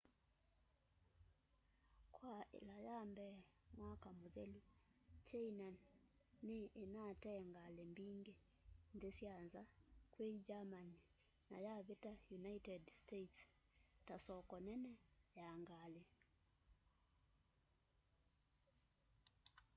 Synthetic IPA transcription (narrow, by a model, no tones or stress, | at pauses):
kwaḛlajambɛmwakamoðɛlut͡ʃainanː | eʔːnatɛŋɡalembiŋɡe | ndesianzakwed͡ʒamani | najaβetajunaitɛdstets | tasɔkɔnɛnɛjaŋɡale